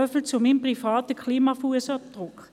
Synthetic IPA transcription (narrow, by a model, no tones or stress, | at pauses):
œfl̩t͡sʊmɪmpʁifɑːtəkʰliːmɑfuəsɑd̥ʁʊk